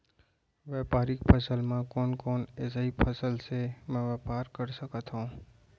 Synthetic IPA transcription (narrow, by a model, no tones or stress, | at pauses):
ʋɛːpaːɾɪkpʰɐsəlmãkɔːnkɔːneːsaipʰəsəlsemɛ̃ʋɛːpaːɾkɐɾsɐkət̪ɦũː